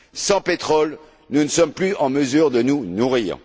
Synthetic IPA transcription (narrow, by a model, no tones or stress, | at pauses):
sɑ̃pet̪χɔl | nunəsɔmplyɑ̃məzyːʁd̪ənunuʁiːʁ